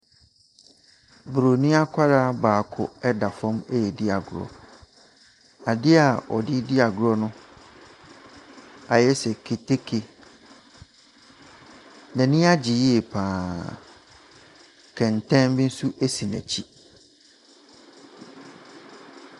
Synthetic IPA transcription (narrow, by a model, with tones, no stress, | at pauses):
bɾo˨nĩ˦a˦kʷʰa˦ɾa˦baː˨kʰʊ̰˨ɛ˦da˨fɔ̃˦me˦jɛ˨dɪ˦a˨ɡʊ˨ɾɔ̰˨ | a˨dɪ˦a˨ɔ̰˨dɪ˦dɪ˦a˨ɡʊ˨ɾɔ˦nʊ̃˦ | a˨jɛ˦sɛ˨kʰe˨tʰe˦kʰe˨ | nɛ̃˨nɪ̃˦a˦d͡ʑi˨je˨pʰãː˨ | kʰɛ̃˨n˨tʰɛ̃˦nbɪ̃˦n̩˦su˦ʔe˦si˨næ̰̃˨t͡ɕʰi˦